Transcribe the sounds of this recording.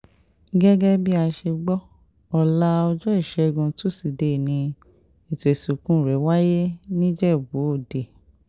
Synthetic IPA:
ɡɛ˦ɡɛ˦bi˦a˧ʃe˧ɡ͡bɔ˦ | ɔ˧la˦ɔ˧d͡ʒɔ˦i˦˨ʃɛ˨˦˧ɡũ˧tu˦si˨de˨nĩ˧ | e˨to˨e˨su˨kũ˦˨ɾɛ˨˦wa˦je˦nĩ˦d͡ʒɛ˦˨bo˨˦o˦˨de˨

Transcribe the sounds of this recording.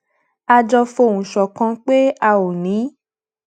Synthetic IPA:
a˧d͡ʒɔ˧fo˧˨wũ˨ʃɔ˨kã˧k͡pe˦a˧o˨nĩ˨˦

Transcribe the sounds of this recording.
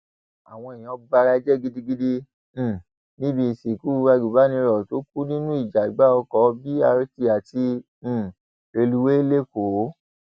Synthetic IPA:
a̰˨w̃ɔ̃˧e˨jĩ˨ɔ˧˦ba˧ɾa˧˦d͡ʒɛ˦˨ɡi˦di˦ɡi˦dĩ˦˨ | nĩ˦bĩ˧˨˧si˨ku˦˧wa˧ɡu˨ba˨˦nĩ˧ɾɔ˨to˨˦k̚u˦nĩ˦nũ˦i˦˨d͡ʒa˨i˨ɡ͡ba˦ɔ˧kɔ˨˧˦bi˦a˧ɾti˧a˨tĩ˧˨ | e˧lu˧we˦e˦le˦˨ko˨˦

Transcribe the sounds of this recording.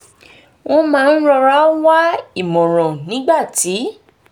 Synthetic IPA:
wɔ̃˦mãː˦˧n̩˦ɾɔ˧ɾa˦wa˦i˦˨mɔ̃˨ɾ̃ɔ̃˨nĩ˨˦ɡ͡ba˦˨ti˨˦

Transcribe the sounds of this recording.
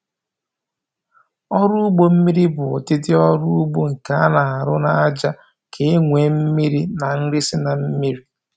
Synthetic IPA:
ɔ˦ɾʊ˦ʊ˦ɡ͡bo˦m̩˦mi˦ɾi˦bʊ˨tɪ˦tɪ˦ɔ˦ɾʊ˦ʊ˦ɡ͡bo˦ŋ̩˨ka˨˦a˦na˨a˨ɾʊ˦na˦a˦d͡ʒa˦ | kʰe˨˦ŋʷe˨m̩˦mi˦ɾi˦na˨n̩˦ɾɪ˦sɪ˦na˨m̩˦mi˦ɾi˦

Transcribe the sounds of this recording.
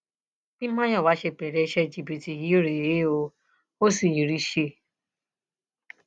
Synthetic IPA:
bi˦mã˦ɲɔ˦˨wa˦ʃe˧pe˨ɾe˨˦ʃe˦d͡ʒi˨bi˨ti˨ji˦o˦ɾe˨e˦o˧ | o˦si˨ji˨ɾi˦ʃe˦˨

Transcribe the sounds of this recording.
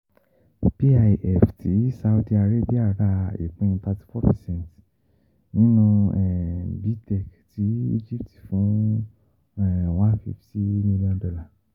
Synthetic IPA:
pi˦a˧˨ʔɛ˨fti˨˦sa˧u˧di˧a˧ɾe˦˨bi˦a˦˨ɾa˦˨ḛ˨k͡pũ˦ñ˧ta˧ti̥˦fɔ˦pɛ˨sɛ̃˦˨nt | nĩ˨˦nũ˧ɛ˨bi˨˦tɛ˦˨kti˨˦ḭ˦d͡ʒi˦p̚ti˨fũ˨˦ | ɛ˦˨w̃a˦fi˦fti˦mĩ˧li˦ɔ̃˧ndɔ˧la˨

